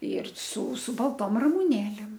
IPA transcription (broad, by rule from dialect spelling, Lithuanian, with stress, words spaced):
ɪr sʊ sʊ bɐlˠˈtoːm rɐmʊˈnʲeːlʲeːm